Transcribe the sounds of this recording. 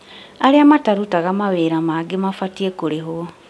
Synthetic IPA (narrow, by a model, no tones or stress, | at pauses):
aɾeamataɾutaɣamaβeːɾamaɡemafatiekoɾeɦo